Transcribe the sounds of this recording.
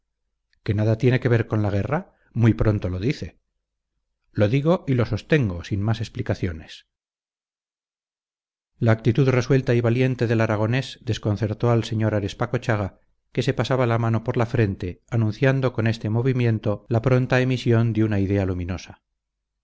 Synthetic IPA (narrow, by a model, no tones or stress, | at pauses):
ke̞naðat̪je̞ne̞ke̞βe̞ɾko̞nlaɣ̞e̞ra | mujpɾo̞nt̪o̞lo̞ðiθe̞ | lo̞ðiɣo̞ʔilo̞so̞st̪e̞ŋɡo̞sinmase̞splikaθjo̞ne̞s | laːk̚t̪it̪uðre̞swe̞lt̪aiβalje̞nt̪e̞ðe̞laɾaɣ̞o̞ne̞sd̪e̞sko̞nθe̞ɾt̪oalse̞ɲo̞ɾaɾe̞spako̞t͡ʃaɣa | ke̞se̞pasaβalamano̞po̞ɾlafɾe̞nt̪e̞anũnθjand̪o̞ko̞ne̞st̪e̞mo̞βimjẽ̞nt̪o̞lapɾo̞nt̪aemisjo̞nd̪eunaiðe̞alumĩno̞sa